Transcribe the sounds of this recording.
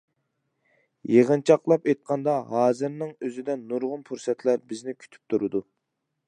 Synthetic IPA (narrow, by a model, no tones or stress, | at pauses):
jeʁənt͡ʃʰɑqlˠɑpejt̪̚qʰɑnd̪ɑɦɑːzɨɾnɨŋøzɪd̪ɛnːuɾʁʊnpʰuɾsɛt̪ʰlæɾbɪznɪkʲʰy̥t̪ʰy̥p̚t̪ʰuɾɨd̪u